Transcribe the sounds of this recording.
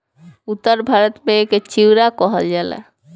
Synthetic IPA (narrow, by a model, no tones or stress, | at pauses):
ut̪ːɔɾbʱaɾɔt̪meeket͡ɕiwɾakɔɦɔd͡ʒala̰